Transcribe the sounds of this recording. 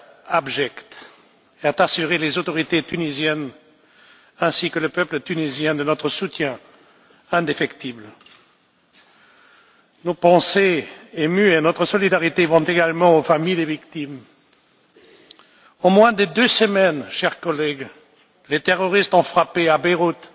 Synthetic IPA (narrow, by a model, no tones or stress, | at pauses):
abʒɛkt̪ | eat̪asyʁelezot̪ɔʁit̪et̪ynizjɛn | ɛ̃sikələpœplət̪ynizjɛ̃d̪ənɔt̪χəsut̪jɛ̃ | ɛ̃d̪efɛkt̪ibl | nopɑ̃seemyenɔt̪χəsɔlid̪aʁit̪evɑ̃t̪eɡalmɑ̃ofamijd̪evikt̪im | õmwɛ̃d̪əd̪øsəmɛnʃɛʁkɔlɛɡ | let̪eʁɔʁist̪ɔ̃fχapeabɛʁut̪